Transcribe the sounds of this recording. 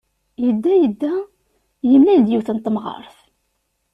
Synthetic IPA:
jəd̪ːæjəd̪ːæ | jəmːænd̪jiwθənt̪ːmʁə̰ɾˤθ

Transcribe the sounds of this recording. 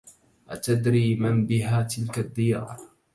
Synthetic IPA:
ʔa̰t̪ad̪ɾiːmanbɪɦaːt̪ɪlkad̪ːɪja̰ːɾɾ

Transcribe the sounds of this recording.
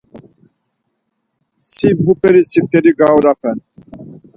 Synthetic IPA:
sibbupeɾisip̚t̪eɾiɡawɾapʰɛn

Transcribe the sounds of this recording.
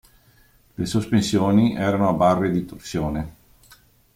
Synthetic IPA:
lesospensjoːniʔɛːɾanoabarːed̪it̪orsjoːne

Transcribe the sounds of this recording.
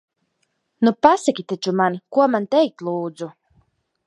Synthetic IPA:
nupasakʲit̪at͡ʃumankuɔmant̪ɛjk̚t̪lˠuːd̪zu

